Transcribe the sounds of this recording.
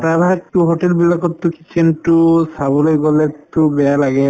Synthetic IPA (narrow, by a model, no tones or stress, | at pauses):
taɾaktuɦoʈɛlbilakɔtːʊki̥t͡ʃʰɛntʊsabɔlojɡɔlɛtʊbɛjalaɡɛ